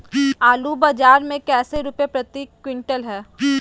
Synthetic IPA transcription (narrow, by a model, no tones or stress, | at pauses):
aːlubaːd͡ʒaːɾmẽkɛːseɾupepɾɐt̪iːkːwɪ̃ɳʈəlɦɛː